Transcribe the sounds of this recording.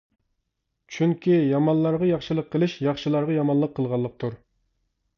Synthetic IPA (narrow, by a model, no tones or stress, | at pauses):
t͡ʃʰyŋkʲijɑmɑnlˠɑɾʁɑjɑχʃɨlˠəqʰːəlˠɨʃjɑχʃɨlˠɑɾʁɑjɑmɑnlˠəqʰːəlˠʁɑlˠːəq̚t̪ʰuɾ